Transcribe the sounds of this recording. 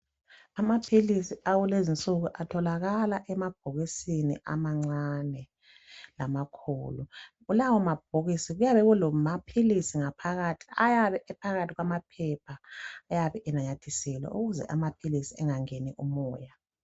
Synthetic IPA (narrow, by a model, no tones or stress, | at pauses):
amapʰilisiawulezint͡sʼuɣuʔatʰɔlaɣalaʔɛmab̥̚ʱoɣisinḭʔa̰maŋ͡ǀanɛ | lamakʰṵːluɣulawɔmab̥̚ʱoɣisiɣujaβɛɣulɔmapʰilisiŋapʰaɣatʰi̥ajaβɛʔɛpʰaɣatʰiɣwamapʰɛpʰaːjaβɛʔɛnaɲatʰisɛlɛ̰ʔuɣuzɛ̰ʔamapʰilisiɛŋaŋenḭʔumɔːja